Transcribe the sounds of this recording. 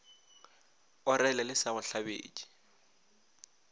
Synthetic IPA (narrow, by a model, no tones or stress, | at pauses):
ʊɾɛlɛlɪsaɣʊɬabḛːt͡ʃʼi̥